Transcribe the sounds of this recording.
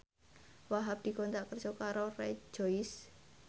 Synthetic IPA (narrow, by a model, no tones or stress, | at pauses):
waɦap̚d̪̥i̤kɔnt̪aʔkərʒ̥ɔkaɾorɛ̥d͡ʒ̥ɔis